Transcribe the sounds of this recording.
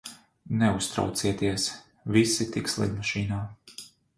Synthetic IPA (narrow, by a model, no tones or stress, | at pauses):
nɛust̪ɾa̰wt̪siɛt̪iɛs | visit̪ikslˠḭd̪maʃiːnaː